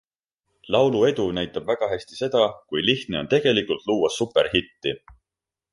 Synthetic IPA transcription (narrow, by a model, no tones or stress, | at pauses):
lɑwlue̞d̪̥unæjt̪ːˑɑb̥væɡ̥ɑɦæsʲt̪i̥se̞d̪̥ɑkujliht̪ne̞o̞nt̪e̞ɡ̥e̞likult̪luːwɑssupːˑe̞ɾhit̪ːi